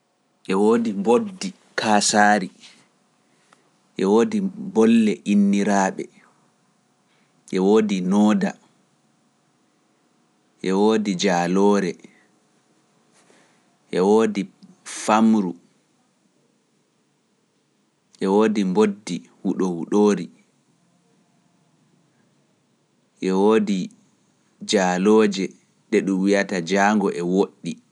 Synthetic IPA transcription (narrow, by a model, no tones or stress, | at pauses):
ʔɛwoːdimbodːi | kʰaːsaːɾi | ʔɛwoːdibɔlːɛʔinːiɾaːɓɛ̰ | ʔɛwoːdinɔːda̰ | ʔɛwoːdid͡ʒaːlɔːɾɛ | ʔɛwoːdi | famɾu | ʔɛwoːdimbodːihuɗɔhuɗoːɾi | ʔɛwoːdi | d͡ʒaːlɔːd͡ʒɛ | nɛɗumwijatad͡ʒaːŋɡɔʔɛwoɗːi